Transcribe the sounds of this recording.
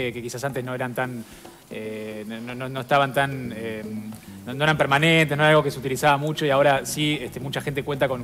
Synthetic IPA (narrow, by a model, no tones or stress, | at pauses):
ekekisas̬ant̪e̞sno̞eɾant̪an | enononono̞est̪aβant̪anemːono̞eɾampeɾmanẽnt̪eno̞eɾalɣo̞keseut̪ilisaβamut͡ʃo̞iao̞ɾasiest̪emut͡ʃaxent̪e̞kwe̞nt̪ako̞n